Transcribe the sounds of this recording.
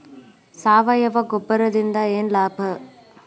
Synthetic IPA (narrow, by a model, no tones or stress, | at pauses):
saːʋɐjɐʋɐɡɔbːɐɾɐd̪ind̪ɐeːnlaːbʱɐ